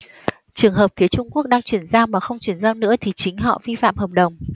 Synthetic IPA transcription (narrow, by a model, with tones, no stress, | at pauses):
t͡ɕɨ˨˩əŋɦəː˨˩p̚fi˨˦ət͡ɕʊ˧ŋ͡mku˦˥ək̚ɗaː˧ŋt͡ɕwi˧˩ənzaː˧wmaː˨˩xə˧wŋ͡mt͡ɕwi˧˩ənzaː˧wnɨ̰˧˥ət̪ʰi˨˩t͡ɕï˨˦ŋ̟ɦɔ̰˧˨vi˧fa̰ː˧˨mhəː˨˩p̚ɗə˨˩wŋ͡m